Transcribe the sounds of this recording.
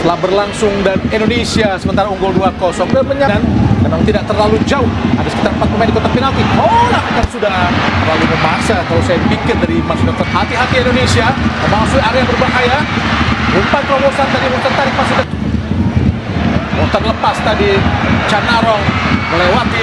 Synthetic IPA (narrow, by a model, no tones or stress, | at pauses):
t̪əlahbərlaŋsʊŋdanindonesiasəmənt̪aɾauŋɡʊlduakɔsɔŋdaməɲaankanat̪idaʔ̚t̪ərlalud͡ʒaʊhadasə̥kit̪aɾrm̩pat̪̚əmajndikot̪apinalt̪ioɾaŋakansudaht̪ərlalubəmasakalawsajaipikɪrdaɾimasunakɔt̪ɦat̪iɦat̪iendonesiat̪əmasuaɾabərbaɦaja | umpat̪̚pɾobosant̪adiɦunt̪ant̪aɾɪhpasida | munt̪arləpast̪adit͡ʃanaɾɔŋməlewat̪i